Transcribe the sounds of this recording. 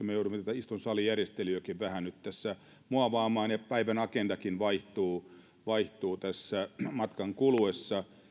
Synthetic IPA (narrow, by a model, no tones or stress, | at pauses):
mejouduimːet̪æt̪æist̪unsɑːlijærjest̪eliøkiʋʋæhænyt̪t̪æsːæ | muɑʋɑːmɑːnjɑpæiʋænɑkendɑkinʋɑiht̪uː | ʋɑiht̪uːt̪æsːæmɑt̪kɑŋkuluesːɑ